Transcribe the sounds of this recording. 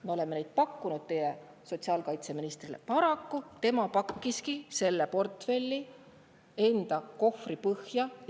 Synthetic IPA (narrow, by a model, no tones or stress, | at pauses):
meole̞mːenejd̪̥̚pɑkːunud̪̥̚t̪e̞je | so̞t̪siɑːlkɑjt̪se̞minist̪rile̞̰pɑɾɑkːut̪e̞mɑpɑkːiskise̞lːepo̞rt̪fe̞lʲːi | e̞nd̪̥ɑko̞fripɤhjɑ